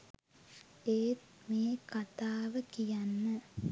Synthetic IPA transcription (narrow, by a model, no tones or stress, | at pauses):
eːt̪meːkat̪aːʋəkijanːə